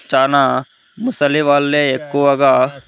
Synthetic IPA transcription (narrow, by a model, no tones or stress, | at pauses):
t͡ʃaːna | mʊsəliʋaːlːeekːoɐɡa